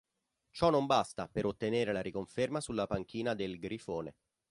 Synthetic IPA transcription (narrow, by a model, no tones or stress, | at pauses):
t͡ʃɔnːombast̪apeɾot̪ːeneːɾelaɾikoɱfermasulːapaŋk̟iːnad̪elɡɾifoːnḛ